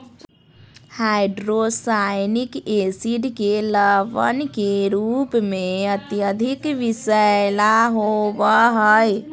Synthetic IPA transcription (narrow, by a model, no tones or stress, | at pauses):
haːɪɖɾosaːɪnɪkeːsɪɖkeləʋə̰nkeɾuːpmẽət̪jəd̪ʱɪkʋɪsəlaɦowaɦəj